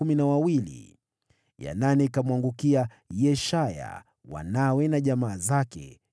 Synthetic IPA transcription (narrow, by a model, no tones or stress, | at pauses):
uminawawilḭ | ja̰nanɛkamwaŋɡukia | jɛʃaja̰ | wa̰nawɛnaʄamaːzakɛ̰